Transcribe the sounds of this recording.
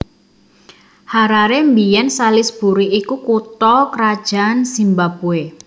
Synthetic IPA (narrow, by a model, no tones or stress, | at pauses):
haɾaɾembijɛnsalɪsb̥ṳɾiikukut̪ɔkɾad̥ʒ̥a̤nsimbabue